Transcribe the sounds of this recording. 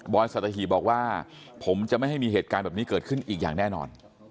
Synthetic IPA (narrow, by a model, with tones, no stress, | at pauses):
bɔː˧jsa˨˩t̪̚ʰːa˧ɦiː˨˩bɔː˨˩k̚waː˥˩ | pʰo˩˦mt͡ɕa˨˩ʔma˥˩jɦa˥˩jmiː˧heː˨˩t̪kaː˧nbɛː˨˩niː˦˥kɤː˨˩t̪̚kʰɯ˥˩nʔiː˨˩k̚jaː˨˩ŋnɛː˥˩nɔ̰ː˧n